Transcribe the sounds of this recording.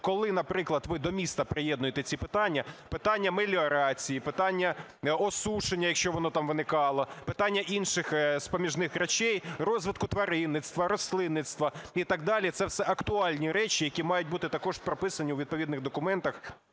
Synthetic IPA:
kɔlˠɪnɐpɾɪklˠɐd̪ʋɪd̪ɔmʲist̪ɐpɾɪjɛd̪nʊjet̪ɛt͡sʲipɪt̪ɑnʲːɐpɪt̪ɑnʲːɐmelʲiɔɾɑt͡sʲijipɪt̪ɑnʲːɐ | ɔsuʃenʲːɐjɐkʃt͡ʃɔʋɔnɔt̪ɑmʋɪnɪkɑlˠɔpɪt̪ɑnʲːɐʔinʃɪxspɔmʲiʒnɪxɾet͡ʃɛjrɔzʋɪt̪kʊt̪ʋɐɾɪnːɪt̪st̪ʋɐɾɔsʲlˠɪnːɪt̪st̪ʋɐit̪ɑɡ̚d̪ɑlʲit̪sɛwsɛʔɐkt̪ʊɑlʲnʲiɾɛt͡ʃijɐkʲimɑjʊt̚ʲbut̪ɪt̪ɐkɔʒpɾɔpɪsɐnʲiwʋʲid̪̚pɔʋʲid̪nɪɣd̪ɔkʊmɛnt̪ɐx

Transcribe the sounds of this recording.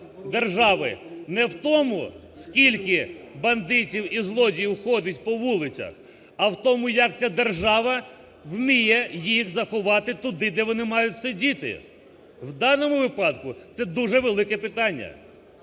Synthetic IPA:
d̪erʒɑʋɪ̰nɛwt̪ɔmʊskʲilʲkɪbɐnd̪ɪtʲiwizlˠɔdʲijwxɔdʲɐtʲpɔʋulˠɪt͡sʲɐ̰x | ɐwt̪ɔmʊjɐkt͡sʲad̪erʒɑʋɐ | wmʲijɛjixzɐxʊʋɑt̪ɪt̪ʊd̪ɪd̪ɛʋɔnɪmɑjʊtʲsɪdʲit̪ɪ̰ | wd̪ɑnɔmʊʋɪpɑd̪̚kʊt̪sɛd̪uʒɛʋelˠɪkɛpɪt̪ɑnʲːɐ̰

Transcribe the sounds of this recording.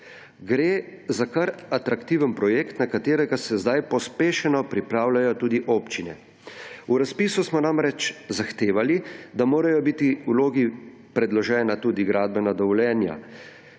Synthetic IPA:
ɡɾeːzakaɾat̪ɾakt̪iːʋənpɾɔjekt̪nakat̪eːɾɛɡasɛzd̪ajpɔspeːʃɛnɔpɾipɾaːwlajɔt̪uːd̪iʔoːpt͡ʃinɛ̰ | uɾaspiːsusmɔnamɾɛt͡ʃzaxt̪eːʋalid̪amoːɾajɔbit̪iuloːɡi | pɾɛd̪lɔʒɛːnat̪uːd̪iɡɾaːd̪̚bɛnad̪ɔʋɔljɛːnja̰

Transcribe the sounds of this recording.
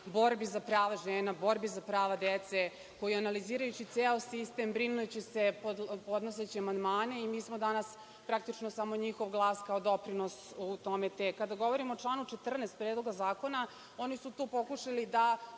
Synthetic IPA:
bo̞ɾbizapɾaːʋaʒeːnabo̞ɾbizapɾaːʋad̪et̪se | ko̞jianaliziːɾajut͡ɕit̪seːosist̪embɾinujet͡ɕesepod̪po̞d̪noset͡ɕiamand̪maːneimiːsmod̪anas | pɾakt̪it͡ʂnosamo̞ɲixo̞ʋɡlˠaːskaod̪o̞pɾino̞sut̪o̞met̪ekad̪aɡo̞ʋo̞ɾimoːt͡ʂlˠaːnut͡ʃe̞t̪r̩nest̪̚pɾed̪lo̞ɡazaːko̞na | onisut̪uːpo̞kuʂalid̪a

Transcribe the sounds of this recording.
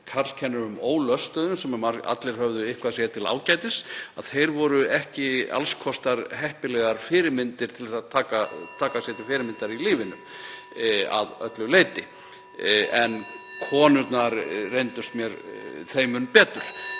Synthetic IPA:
kʰaɾl̥cʰɛnːʏɾʏmoːwlœst̪œːðʏnsɛmmaɾa̰t̪lɪɾ̥hœvðʏɪhkʰvaðsjɛt̪ʰɪla̰ːwcaːjt̪ɪsaðθejɾvɔɾʏɛhcɪa̰lskʰɔst̪aɾɦɛhpɪlɛɣaɾ̥fɪːɾɪɾmɪnt̪ɪɾ̥t̪ʰɪlðɛsaðt̪ʰaːkat̪ʰaːkasjɛt̪ɪfɪːɾɪmɪnt̪aɾiliːvɪnʏm | a̰ðœ̰t̪lʏleːjt̪ɪ | ɛnkʰɔːnʏɾt̪naɾrejnt̪ʏst̪mjɛɾθejmʏnpɛːt̪ʏɾ̥

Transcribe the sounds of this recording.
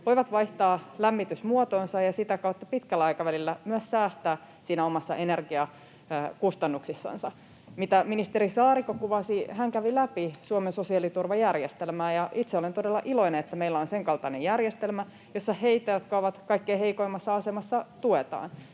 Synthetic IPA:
ʋoiʋɑt̪ʋɑiht̪ɑːlæmːit̪ysmuot̪oːnsɑjɑsit̪ækɑut̪ːɑpit̪kælːæɑikɑʋælilːæmyæssæːst̪æː | siːnæomɑsːɑʔenerɡiɑ | kust̪ɑnːuksisːɑ̰nsɑ | mit̪æminist̪eɾisɑːrikokuʋɑsihæŋkæʋilæpisuomensosiɑlit̪urʋɑjærjest̪elmæːjɑʔit̪seolent̪o̞delːɑʔilo̞ineet̪ːæmeilːæonseŋkɑlt̪ɑnejærjest̪elmæ | josːɑheit̪ːæjot̪kɑoʋɑt̪kɑikːeiheikoimɑsːɑɑsemɑsːɑt̪uet̪ɑ̰ːn

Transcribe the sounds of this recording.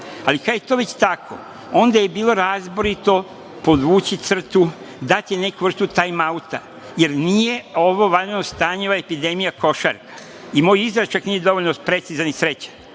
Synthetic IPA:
alikad̪jet̪oʋe̞t͡ɕt̪akʰo̞̰ | o̞nd̪aje̞biːlˠo̞ɾaːzboɾit̪o̞ | po̞d̪uːt͡ɕit̪sr̩t̪u | d̪at̪jene̞kuʋr̩st̪ut̪ajmaut̪a̰ | je̞ɾnije̞o̞ʋo̞ʋaenost̪aːɲeoaepid̪e̞mijako̞ʃa̰ɾkḁ | imoːjizɾat͡ʃaknijed̪o̞ʋoʎnopɾe̞t̪sizanisɾe̞t͡ɕḁn

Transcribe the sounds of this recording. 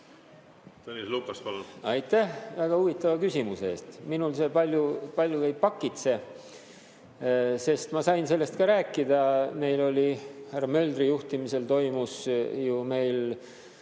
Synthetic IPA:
t̪onislukːˑɑspɑlunɑjt̪ːˑæhvæɡ̥ɑuvit̪ːˑɑvɑkysimusee̞̰ːst̪minulsepɑlʲjupɑlʲjuvejpɑkːˑit̪se̞ | se̞st̪mɑsɑjnse̞lːe̞st̪̚kɑɾæːkːˑid̪ɑme̞jlo̞lʲihærːɑmø̞ld̪rijuht̪imise̞lt̪o̞jmusjume̞jl

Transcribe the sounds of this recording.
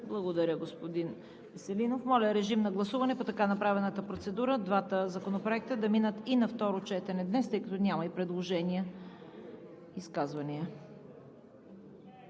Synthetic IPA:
blˠɐɡod̪ɐɾʲəɡospod̪in | visɛlinofmɔlʲəɾɛʒimnɐɡlˠɐsuvɐnɛpot̪ɐkanɐpɾavɛnət̪əpɾot̪sɛd̪uɾəd̪vat̪əzɐkonopɾoɛk̚t̪əd̪ɐminət̪inɐft̪ɔɾot͡ʃɛt̪ɛnɛd̪nɛst̪ɤjkɐt̪ɔnʲamɐipɾɛd̪lˠoʒɛnʲiə | skazvɐniə

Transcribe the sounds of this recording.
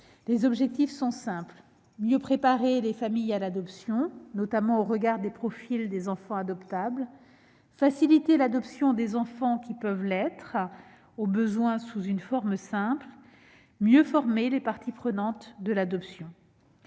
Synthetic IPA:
lezɔbʒɛk̚t̪ifsɔ̃sɛ̃pl | mjøpχepaʁelefamijalad̪ɔpsjɔ̃nɔt̪amɑ̃oʁəɡaʁd̪epχɔfild̪ezɑ̃fɑ̃ad̪ɔpt̪abl | fasilit̪elad̪ɔpsjɔ̃d̪ezɑ̃fɑ̃kʲipœvlɛt̪χ | obəzwɛ̃suzynfɔʁmsɛ̃pl | mjøfɔʁmelepaʁt̪ipχənɑ̃t̪d̪əlad̪ɔpsjɔ̃

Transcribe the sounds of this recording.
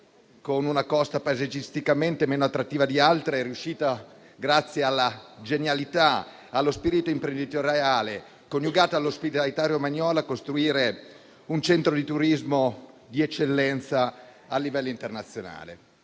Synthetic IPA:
konunakɔst̪apazed͡ʒist̪ikament̪emeːnoat̪ːɾat̪ːiːvad̪ialt̪ɾeɛrːiuʃːiːt̪a | ɡɾat̪sːjealːad͡ʒenjalit̪aː | lːospiːɾit̪oimpɾend̪it̪oɾjaaːle | konjuɡaːt̪aːlːospit̪alit̪aːɾjomaɲːɔːlakːost̪ɾuiːɾe | unt͡ʃɛnt̪ɾod̪it̪uɾizmo | d̪iɛt͡ʃːelːɛnt̪saː | lːivɛlːoint̪ernat̪sːjona̰ːlḛ

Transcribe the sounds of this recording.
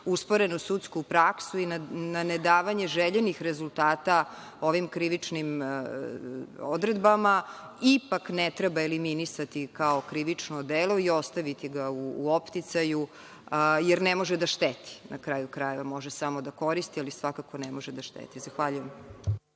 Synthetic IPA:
uspo̞ɾenusut̪skupɾaksuinananed̪aːʋaɲe̞ʒeʎenixɾezult̪aːt̪a | o̞ʋimkɾiʋit͡ʂnim | od̪ɾed̪bama | ipaknet̪ɾebaeliminisat̪ikaokɾiʋit͡ʂnod̪elo̞iost̪aʋit̪iɡaṵːopt̪it̪saju | jeɾnemo̞ʒed̪aʃt̪et̪i̥nakɾaːjukɾajeʋamo̞ʒesamo̞d̪ako̞ɾist̪ialisʋakako̞nemoʒed̪aʃt̪ḛt̪izaxʋaʎujem

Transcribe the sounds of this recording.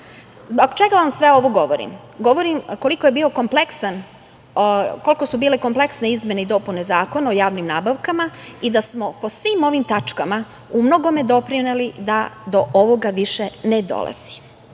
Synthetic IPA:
zboɡt͡ʃeɡaʋamsʋe̞o̞ʋoɡo̞ʋo̞ɾḭm | ɡo̞ʋo̞ɾimko̞liko̞jebiːo̞ko̞mple̞ksan | ko̞lˠiko̞subiːleko̞mpleksne̞izme̞neid̪o̞ːpune̞zaːko̞nao̞jaːʋnimnaːbaʋkamaid̪asmo̞po̞sʋiːmo̞ʋimt̪at͡ʂkama | umno̞ɡo̞me̞d̪o̞pɾinelid̪ad̪o̞ʔoʋoɡaʋiʃened̪o̰lˠa̰z̥i̥

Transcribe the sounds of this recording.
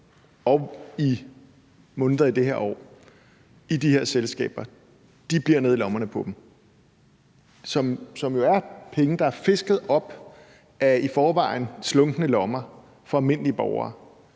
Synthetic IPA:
ɒ̽i | mɔ̽ːnððˠɐid̥eheɐ̰ɒ̰ː | id̥ihe̝ɐ̰selsɡ̥ɛ̰ːb̥ɐ | d̥ib̥liɐ̰ne̝ð̞̰ˠilɒ̽mɐnəpʰɒ̽d̥m̩ | sɒ̽msɒ̽mjo̝æɐpʰeŋd̥ɑ̈æɐfe̝sɡ̥ð̞̩ˠɒ̽b̥ | æifɒːʋɑ̰̈ɪn̩slɔ̽ŋɡ̥nəlɒ̽mɐ | fɒælme̝n̰liəb̥ɒʊɐ̰ː

